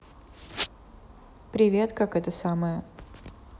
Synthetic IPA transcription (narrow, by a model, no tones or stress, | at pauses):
pɾʲɪvʲe̞t̪kakɛt̪əsaməjə